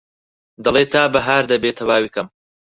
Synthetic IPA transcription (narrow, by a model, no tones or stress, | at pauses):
d̪ɐlˠeːt̪ʰaːbɐɦaːɾd̪ɐbet̪ʰɐwaːwiːkɐm